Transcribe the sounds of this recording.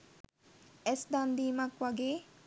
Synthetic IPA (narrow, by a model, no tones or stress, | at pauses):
ɛsd̪and̪iːmakʋaɡeː